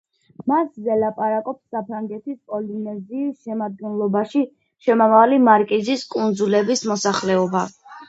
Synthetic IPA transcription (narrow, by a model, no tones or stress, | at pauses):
maszɛlapʼaɾakʼɔpsːapʰɾaŋɡɛt̪ʰispʼɔlinɛziːsʃɛmad̪̚ɡɛnlˠɔbaʃi | ʃɛmamavlimaɾkʼiziskʼund̪zulɛbismɔsaχlɛɔba